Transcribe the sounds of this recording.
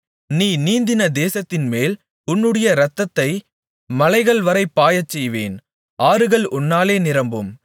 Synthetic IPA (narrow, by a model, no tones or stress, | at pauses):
niːniːnd̪ɪnɐd̪eːsɐt̪ːɪnmeːl | ʊnːɯɽɐjɐɾɐt̪ːɐt̪ːɐɪ | mɐlɐɪɣɐɭʋɐɾɐɪpːaːjɐt͡ʃːɛjʋeːn | ʔaːɾɯɣɐɭʊnːaːleːnɪɾɐmbɯm